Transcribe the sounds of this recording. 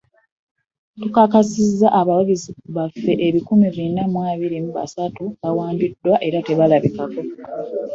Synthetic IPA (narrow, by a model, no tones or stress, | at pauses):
tukakasizːaʔaβawaɡiziβafːe̞ʔeβikumivinamwaːβiɾimuβa̰satuβawaːmbidːwaʔe̞ɾate̞βalaβikako̞